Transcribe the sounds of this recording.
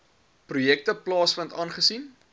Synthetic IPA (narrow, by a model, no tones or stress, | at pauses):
prujɛk̚təplɑːsfəntɑːnχəsin